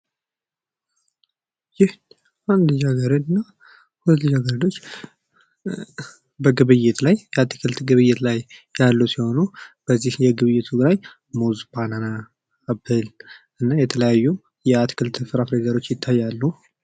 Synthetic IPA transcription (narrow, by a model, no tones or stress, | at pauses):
jɪh | and̪əɲːaɡəɾənɨnːa | hulət̪lɨd͡ʒaɡəɾd̪o̞t͡ʃː | bəɡɨβɨjːɪt̪lajjɛat̪ʰkʰɨlt̪ɡɨβɨjːɪt̪lajːalːusiho̞nub̥əzːihjɛɡɨβɨjːɪt̪ʰuɡɨɾaj | muzbʰananaː | bɨl | ɨnːajɛt̪ʰələjajːum | jɛat̪ʰkʰɨlt̪ʰɨfɨɾafɾeɡəɾo̞t͡ʃːjɪt̪ʰːajːalːu